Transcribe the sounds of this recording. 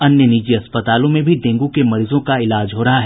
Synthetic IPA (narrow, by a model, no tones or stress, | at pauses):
ɐnjəniːd͡ʒiɐspət̪aːlõmẽbʱid̪ẽːŋɡukemɐɾiːzõkaɪlaːd͡ʒɦoːɾɐɦaɦɛ